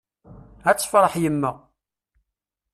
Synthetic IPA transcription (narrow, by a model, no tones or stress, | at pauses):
æt͡sːfɾˤəħjəmːəʁ